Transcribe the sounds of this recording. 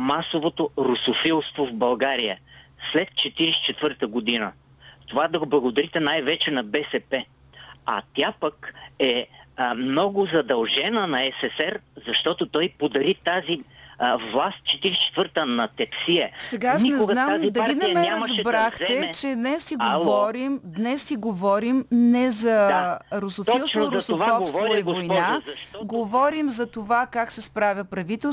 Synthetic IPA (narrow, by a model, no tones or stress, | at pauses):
masovot̪oɾʊsofilˠst̪vovbɐlˠɡaɾiəslɛt̪̚t͡ʃɛt̪iɾisi̥t͡ʃɛt̪vɤɾt̪əɡod̪inə | t̪ovad̪ɐɡoblˠɐɡʊd̪ɐɾit̪ɛnajvɛt͡ʃɛnɐbɛsɛpɛ | ɐ̰t̪ʲjapəkɛmnɔɡʊzɐd̪ɐlˠʒɛnənɐɛsɛsɛɾzɐʃt̪ɔt̪ot̪ɔjpod̪ɐɾit̪azivlˠast̪̚t͡ʃɛt̪iɾist͡ʃɛ̥t̪vəɾt̪ənɐt̪ɛpsiɛsɛɡaasnɛnad̪ɐɡinɐmɛnzbɾaxt̪ɛt͡ʃɛd̪nɛsiɡovɔɾimd̪nɛsːiɡovɔɾimnɛzɐɾosofilˠsoɾʊsofɔpsvkoivojnaɐɡovɔɾimzɐt̪ovakaksɛspɾavʲəpɾɐvit̪ɛlˠs